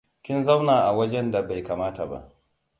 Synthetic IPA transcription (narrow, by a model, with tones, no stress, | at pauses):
kʲɪ˦nza˦wnaː˨ʔa˨wɐ˦d͡ʒɛ˦nda˨ba˨jkaː˨maː˦ta˨ba̰˦ʔ